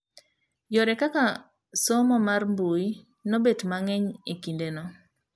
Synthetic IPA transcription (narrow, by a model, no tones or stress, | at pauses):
jɔɾɛkaka | sɔmɔmarmbui | nobetmaŋɛɲekindenɔ